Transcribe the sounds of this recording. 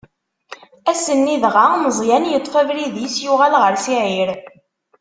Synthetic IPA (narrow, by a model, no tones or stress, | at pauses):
æsənːiðʁaməzˤjænjət̪ˤːfævɾiðisjuʁælʁəɾsiʕiɾ